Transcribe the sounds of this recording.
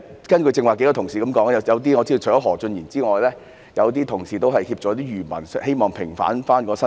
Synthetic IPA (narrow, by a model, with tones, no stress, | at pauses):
kɐ˥nkɵ˧t͡sɪ˧ŋwaː˨˩ke˨˥ja˧t̪ʰʊ˨˩ŋsiː˨kɐ˨˦mkɔː˨˥ŋ˥jɐ˨˧jɐ˨˧wt̪̬iː˥ŋɔː˨˧t͡si˥d̪wʰɔː˨˥ɦɔː˨˩t͡sɵ˧njiː˨˩nt͡siː˥ŋɔː˨jlɛː˥ | jɐ˨˧wt̪iː˥t̪ʰʊ˨˩ŋsiː˨t̪o˥wɦɐ˨jhiː˧p̚t͡ʃɔ˨˧˥t̪iː˥jyː˨˩mɐ̰˨˩n˥he˥jmɔː˨˩ŋpʰɪ˨˩ŋfa̰ː˨˥nfaː˥nkɔː˧sɐ˥